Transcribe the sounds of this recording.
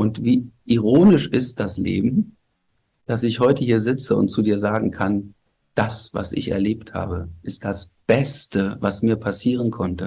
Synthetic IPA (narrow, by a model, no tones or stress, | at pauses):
ʔʊntviːʔiʁ̞oːnɪʃʔɪst̚d̥aslḛːbm̩ | d̥asɪçhɔʏtəhiːɐzɪt͡səʊ̰nt̚t͡sudiːɐzaːɡŋ̩kʰan | d̥asva̰sʔɪ̰çɛ̰ɐleːptha̰ːbəʔɪst̚d̥asb̥ɛstəvasmiːɐpʰasiːʁənkʰɔntə